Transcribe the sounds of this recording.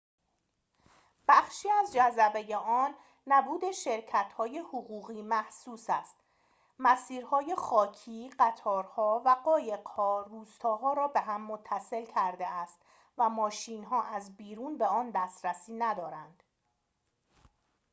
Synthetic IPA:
b̥æχʃiːæzd͡ʒæzæbeje̞ʔɒːnː | æbuːd̪eʃe̞ɾcʰæt̪ʰhɒːje̞hoɣuːɣiːmæhsuːsæst̪ | mæsiːɾhɒːje̞χɒːcʰiːɢæt̪ʰɒːɾhɒːvæɢɒːje̞ɢhɒːruːst̪ʰɒːɦɒːɾɒːbe̞ɦæmːot̪ʰːæse̞lcʰæɾd̪e̞æst̪ | væmɒːʃiːnɦɒːʔæzbiːɾuːnbe̞ɒːnd̪æːst̪ɾæsiːnæd̪ɒːɾænd̪̥

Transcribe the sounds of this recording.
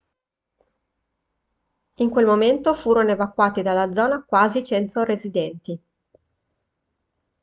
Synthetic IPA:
iŋkwelmoment̪ofuːɾonoevakːwaːt̪id̪alːad̪zːɔːnakwaːzit͡ʃɛnt̪orezid̪ɛnt̪i

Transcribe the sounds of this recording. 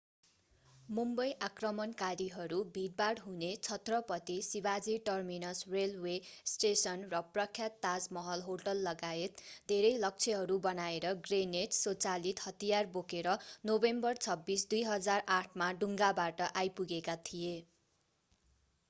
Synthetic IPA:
mumbʌjʔakrʌmʌnkaɾiɦʌɾubʱiʈ̚baɽɦunet͡sʰʌt̪rʌpʌt̪isibad͡ziʈʌrminʌsrelwesʈesʌnrʌprʌkʰjat̪ːad͡zmʌɦʌlɦoʈʌlːʌɡaet̪d̪ʱeɾʌjlʌk̚t͡sʰeɦʌɾubʌnaeɾʌɡrened͡zsot͡salit̪hʌt̪ijarbokeɾʌnobembʌrt͡sʰʌbːisd̪ujɦʌd͡zaraʈʰmaɖuŋɡabaʈʌʔajpuɡekat̪ʰije

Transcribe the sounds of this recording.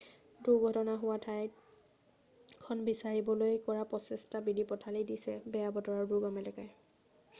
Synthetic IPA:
duɡʱɔtɔnaɦʊwatʰaj | kʰɔnbisaɹibɔlojkɔɹapɔsɛstabidipɔtʰalidisɛbɛjabɔtɔɹaɹduɡɔmɛlɛkaj

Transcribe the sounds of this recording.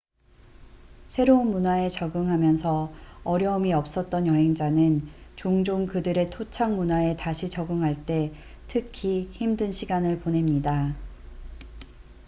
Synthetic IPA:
sʰe̞ɾounmunae̞t͡ɕʌɡɯŋɦamjʌnsʰʌʌɾjʌɯmiʌp̚s͈ʌt̚t͈ʌnjʌɦe̞ŋd͡ʑanɯnt͡ɕoŋd͡ʑoŋkɯdɯɾe̞tʰot͡ɕʰaŋmunae̞taɕʰit͡ɕʌɡɯŋɦaɭt͈e̞ | tʰɯkʰiçimdɯnɕʰiɡanɯɭpone̞mɲida

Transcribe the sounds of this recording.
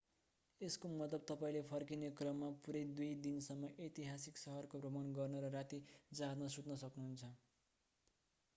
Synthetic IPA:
eskomʌt̪lʌb̚t̪ʌpaĩlepʰʌrkinekrʌmːapuɾʌjd̪ujd̪insʌmːʌʔet̪iɦasiksʌɦʌrkobrʌmʌnɡʌrnʌɾʌɾat̪id͡zad̪nʌsut̪nʌsʌknuɦunt͡sʰʌ

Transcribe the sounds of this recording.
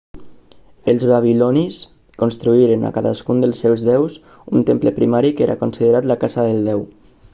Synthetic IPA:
əlˠzβaβilɔnis | konst̪ɾuiɾena̰kaðaskund̪əlˠsːɛwzðɛws | unt̪empləpɾimaɾikeɾʔa̰konsiðəɾat̪lakazaðəlˠd̪ɛw

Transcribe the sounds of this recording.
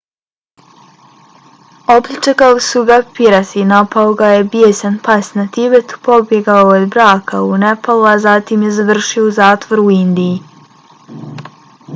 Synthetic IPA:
oplʲit͡ʃekalisuɡapiɾasinapaoɡajebjesanpasnat̪ibet̪po̞bje̞ɡaood̪bɾaːkaunepaluazat̪imjezaʋr̩ʃiouzaːt̪ʋo̞ɾuind̪iji

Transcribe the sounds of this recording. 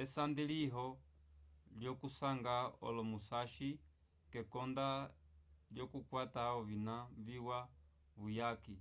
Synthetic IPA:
ɛsand̪iliɦɔ | ljɔkusaŋɡaɔ̰lɔmusaʃi | kɛkɔnda | ljɔkukwataɔβinaviwa | βujaki

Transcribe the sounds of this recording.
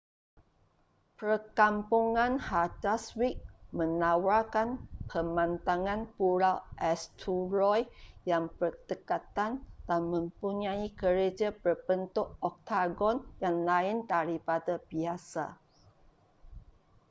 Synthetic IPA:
pərkampuŋãnhataswik̚mə̃nawakanpʰəmãnt̪aŋãnpuɾawʔɛst̪ʰuɾɔjjaŋbərt̪əkat̪and̥anmə̃mpuɲãikəɾed͡ʒabərbənt̪ʊʔɔk̚t̪aɡɔnjaŋlaɪndaɾipadabiasa̰

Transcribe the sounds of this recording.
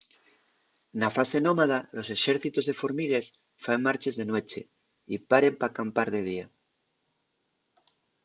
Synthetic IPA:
nafase̞nõmaðalo̞se̞ʃeɾθit̪ozðe̞foɾmiɣes | faŋmaɾt͡ʃe̞zðenwe̞t͡ʃe | ipaɾe̞mpakampaɾðeð̞ia

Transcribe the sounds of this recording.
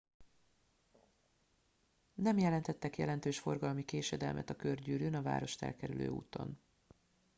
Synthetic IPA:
nɛmjɛlɛnt̪ɛt̪ːɛkjɛ̰lɛnt̪øːʃfo̞rɡɒlmikeːʃɛd̪ɛlmʔɛ̰t̪ɒkørɟyːɾyːnɒva̰ːɾo̞ʃt̪ɛ̰lkɛɾylø̰ːṵːt̪o̞̰n

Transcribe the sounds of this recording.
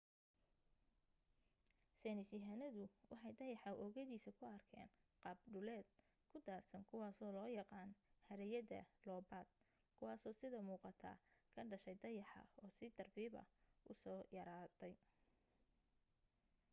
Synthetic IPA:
sɛnɪsɪɦanɐðʊwɑħɑjd̪ɐjɑħɑʔɔːɣɐðiːsɐkʰʊɐrkʰɛ̰ːn | qɑːbɖʊlɛːd̪̥̚ | kʰʊd̪aːrsɐnkʰʊwɑːsɔːlɔːjɑqɑːnhɐɾɛjɐðɐ̰lɔːbaːd̪̚ | kʰʊwɑːsɔːsɪðɐmuːqɑt̪ʰa̰ːkʰɐɖɐʃɛjd̪ɐjɑħɑ̰ɔːsɪd̪̥ɐrbiːbɐ̰ʊsɔːjɐɾaːt̪ʰɛj

